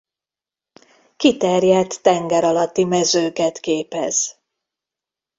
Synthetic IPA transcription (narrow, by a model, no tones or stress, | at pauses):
kit̪ɛrjɛt̪ːɛŋɡɛɾɒlɒt̪ːimɛzøːkɛt̪keːpɛz̥